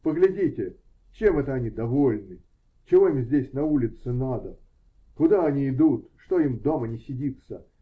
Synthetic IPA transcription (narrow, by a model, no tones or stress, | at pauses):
pəɡlʲɪdʲitʲɪ | t͡ɕe̞mɛt̪əɐnʲid̪ɐvo̞lʲnɨ | t͡ɕɪvo̞imzʲdʲesʲnɐulʲɪt̪sɨnad̪ə | kʊd̪aɐnʲiɪd̪ut̪ʂt̪o̞imd̪o̞mənʲɪsʲɪdʲit̪sə̰